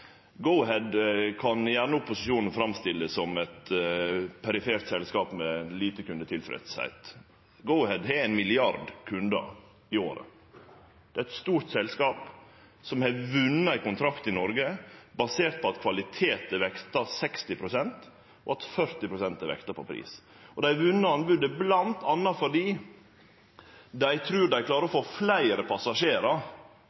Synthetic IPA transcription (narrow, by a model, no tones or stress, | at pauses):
ɡɔʊɦɛd̪kʰɑnjæɳəʊpːʊsɪʃuːnən̩fɾɑmst̪ɪlːəssɔmɛt̪ | pʰɛɾɪfeːɾt̪sɛlskɑːpmɛliːt̪əkʉnd̪ət̪ʰɪlfɾɛ̰t̪shæ̰ɪt̪ | ɡəʊhɛd̪ɦɛɾæɪnmɪlɪɑɾɖkʰʉnd̪ə̰ɾ | ɪoːɾə̰ | d̪̥ɛæɛt̪st̪uːɾt̪sɛlskɑːp | sɔmhɛʋʉnːəæɪkʊnt̪ʰɾɑkt̪ɪnɔɾɡəbɑseːɾt̪̚pɔɑt̪kʰʋɑlɪt̪ʰeːt̪əʋɛkt̪ɑsɛkst̪ɪpʰɾʊsɛnt̪ | ɔɑt̪fœɾt̪ɪpʰɾʊsɛnt̪ɛʋɛ̰kt̪ɑpʰɔ̰pʰɾḭːs | ɔd̪æɪʋʉnːəɑnbʉd̪əblɑnt̪ʰɑnːɑfɔɖiː | d̪æɪt̪ʰɾʉːɖæɪklɑːɾəɾɔfoːflæɪɾəpʰɑsɑʂeːɾɑɾ